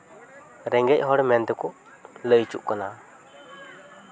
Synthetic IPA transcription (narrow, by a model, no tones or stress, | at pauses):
ɾɛŋɡɛc̚ɦɔɽmɛnd̪ɛkɔʔ | ləjt͡ʃṵʔkana